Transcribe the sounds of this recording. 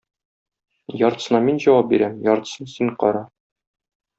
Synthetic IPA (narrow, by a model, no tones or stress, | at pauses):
jɒɾt̪ɤ̥̆sɤ̆nɑminʑɒwɑp̚biɾæmjɒɾt̪ɤ̥̆sɤnsiɴqɒ̰ɾɑ